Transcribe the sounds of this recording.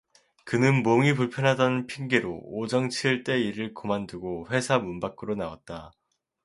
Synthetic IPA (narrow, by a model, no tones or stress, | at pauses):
kɯnɯnmoŋipuɭpʰjʌnɦadʌnpʰiŋɡeɾo̰ːd͡ʑʌŋt͡ɕʰiɭt͈e̞iɾɯɭkomanduɡoɸwe̞sʰamunbak͈ɯɾonawa̰t̚t͈a